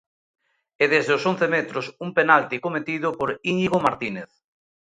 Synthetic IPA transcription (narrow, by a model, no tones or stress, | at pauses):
ɛðezðeoson̟θemet̪ɾosumpenalt̪ikomet̪iðʊpoɾiniɣomaɾt̪ineθ